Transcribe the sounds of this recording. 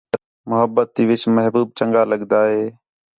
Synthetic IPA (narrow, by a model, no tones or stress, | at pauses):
mʊɦəbːət̪ːiːʋɪt͡ʃməɦbuːb̚t͡ʃəŋɡaːləɠd̪aːɦeː